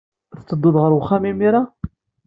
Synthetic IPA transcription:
θt͡sːəd̪ˤːʊðˤʁəɾwχːæmimiɾa

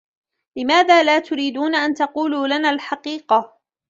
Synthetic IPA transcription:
lɪmaːðaːlaːt̪ʊɾiːd̪uːnaʔant̪ɑquːluːlanaːlħɑqiːqɑ

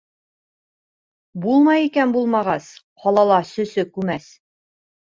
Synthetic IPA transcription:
bulˠmɑjikænbulˠmɑʁɑs | qɒlˠɑlˠɑsɵ̆sɵkʉmæs

